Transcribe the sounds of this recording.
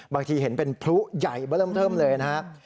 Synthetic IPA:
baː˧ŋt̪ʰiː˧ɦe˩˦npe˧npʰlu˦˥ja˨˩jbəː˧˦ləː˥˩mt̪ʰɤː˥˩mlɤː˧jna˦˥ka˦˥ʔ

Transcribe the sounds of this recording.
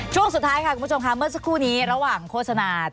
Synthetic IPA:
t͡ɕʰu˥˩əŋsu˨˩t̪ʰːaː˦˥jkʰa˥˩u˧˩˦t͡ɕʰo˧mkʰa˦˥mɯ˥˩əsa˧˥kʰːuː˥˩niː˦˥ɾa˧waː˨˩ŋkʰoː˥˩t̪̚sa˧naː˧

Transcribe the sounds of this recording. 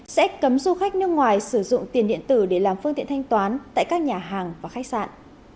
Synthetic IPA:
sɛ̰˧˥kə˨˦mzu˧xa˦˥k̟̚nɨ˦˧əŋwaː˨˩jsɨ˧˩zʊ̰˧˨ŋ͡mt̪i˨˩ənɗḭ˧˨ənt̪ɨ˧˩ɗe˧˩laː˨˩mfɨ˧ŋt̪ḭ˧ənt̪ʰa˧jŋt̪waː˨˦nt̪a̰ː˧˨jkaː˦˥k̚ɲaː˨˩ɦaː˨˩ŋvaː˨˩xa˦˥k̚sa̰ː˧˨nʔ

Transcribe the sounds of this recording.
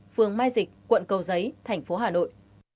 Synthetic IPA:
fɨ˨˩əŋmaː˧jzï˨˩k̚kwə̰˧˨nkə˨˩wzə˨˦jt̪ʰɛ˨˩jŋ̟fo˨˦ɦaː˨˩no̰˧˨j

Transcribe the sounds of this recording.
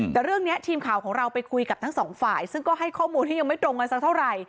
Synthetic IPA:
t̪ɛː˨˩ɾɯ˥˩əŋni˦˥ət̪ʰiː˧mkʰaː˨˩wkʰɔː˩˦ŋɾa˧wpa˧jkʰu˧jka˨˩p̚t̪ʰŋsɔː˩˦ŋfaː˨˩jsɯ˥˩ŋkɔː˥˩ɦa˥˩jkʰɔː˥˩muː˧nt̪ʰiː˥˩ja˧ŋma˥˩jt̪ɾo˧ŋka˧nsa˦˥kt̪ʰwɾa˧j

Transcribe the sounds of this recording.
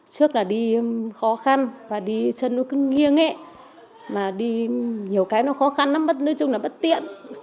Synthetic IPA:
t͡ɕɨ˦˥ək̚laː˨˩ɗi˧xɔ˨˦xa˧nvaː˨˩ɗi˧t͡ɕə˧nːɔ˨˦kɨ˨˦ŋi˧əŋʔe˨˦ | maː˨˩ɗi˧ɲi˨˩əwkaː˨˦jnɔ˨˦xɔ˨˦xa˧nːaː˨˦mɓə˦˥t̚nɨː˧˦t͡ɕʊ˧ŋ͡mlaː˨˩ɓə˦˥t̚t̪ḭ˧˨ən

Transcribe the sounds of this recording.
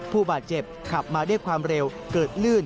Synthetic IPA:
pʰuː˥˩baː˨˩t̪̚t͡ɕe˨˩p̚kʰa˨˩p̚maː˧du˥˩jkʰwaː˧mɾe˧w | kɤː˨˩t̪̚lɯː˥˩n

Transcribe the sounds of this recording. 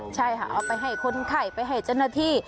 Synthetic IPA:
t͡ɕʰa˥˩jkʰa̰˧˩ʔa˧wpa˧jɦa˧˩jkʰo˧˥nkʰa˧˩jpa˧jɦa˧˩jt͡ɕaː˧˩wnaː˧t̪ʰiː˧˥˩

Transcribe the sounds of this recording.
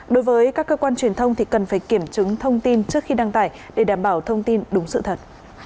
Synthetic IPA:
ɗo˨˦jvəː˨˦jkaː˦˥kːəː˧kwaː˧nt͡ɕwi˨˩ənt̪ʰə˧wŋ͡mt̪ʰi˨˩kə˨˩nfaː˧˩jki˧˩əmt͡ɕɨ˨˦ŋt̪ʰə˧wŋ͡mt̪i˧nt͡ɕɨ˦˥ək̚xi˧ɗaː˧ŋt̪aː˧˩jɗe˧˩ɗaː˧˩mɓaː˧˩wt̪ʰə˧wŋ͡mt̪i˧nɗʊ˨˦ŋ͡msɨ̰˧˨t̪ʰə˨˩t̚

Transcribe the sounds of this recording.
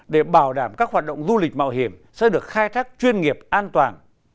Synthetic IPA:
ɗe˧˩ɓaː˧˩wɗaː˧˩mkaː˦˥k̚ɦwaː˨˩t̚ɗə̰˧˨wŋ͡mzu˧lï˨˩k̟̚ma̰ː˧˨wɦi˨˧˩əmsɛ̰˧˥ɗɨ˨˩ək̚xaː˧jt̪ʰaː˦˥k̚t͡ɕwi˧ənŋi˨˩əp̚ʔaː˧nt̪waː˨˩n

